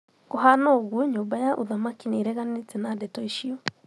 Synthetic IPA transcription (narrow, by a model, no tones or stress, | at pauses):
koɦanɔɣuoɲoːmbajaʔoðamakineːɾɛɣanetɛnadɛtɔiʃiɔ